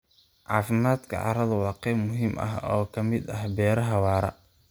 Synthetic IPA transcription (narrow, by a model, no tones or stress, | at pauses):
ʕɑ̰ːfɪmaːd̪kʰɐ̰ʕɑ̰ɾɐðɐwɑːqɛjmʊɦiːmʔɐ̰ɦɔːkʰɐmɪd̪ɐhbɛːɾɐɦɐwɑːɾɐ̰